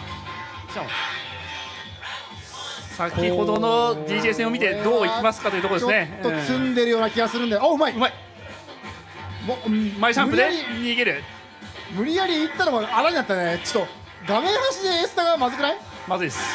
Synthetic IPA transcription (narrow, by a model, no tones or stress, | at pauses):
ɕa | sakʲiho̞d̪onod̪ʲiːʑe̞ːsẽomʲit̪e̞d̪oːikʲiimasɨ̥kat̪o̞iɯ̟t̪okoesneot͡sɨ̃nd̪e̞ɾɯ̟jo̞ːnakʲiɡasɨɾɯ̃nd̪eaɯ̟maiɯmai | momaiɕãmɯd̪eiɲiːɡeɾɯ̟ | mɯ̟ɾʲijaɾʲiːt̪ːanoɡaaɾaɲ̟ĩnat̪ːanet͡ɕo̥t̪ːo̞ | ɡamẽ̞ɰ̃haɕid̪e̞ːsɨ̥t̪aɡamazɨkɯ̟nai | mazɨid̪esɨ̥